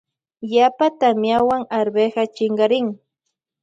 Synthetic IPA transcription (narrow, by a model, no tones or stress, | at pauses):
japat̪amjawaŋaɾbeɢɑt͡ʃɪɴɢɑɾɪŋ